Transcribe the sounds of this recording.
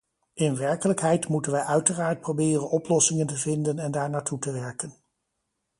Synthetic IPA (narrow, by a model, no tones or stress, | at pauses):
ʔɪnʋɛɹkələkɦɛjtmutənʋəjʔœɥtəraːɹt̚prowbɪːrənɔplɔsɪŋəntəvɪndənɛndaːɹnaːtutəʋɛɹkən